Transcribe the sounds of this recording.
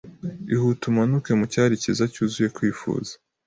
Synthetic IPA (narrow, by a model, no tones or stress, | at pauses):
ihutumanuke̞mucaːɾicizacuːzuje̞kwiːfṵːzḁ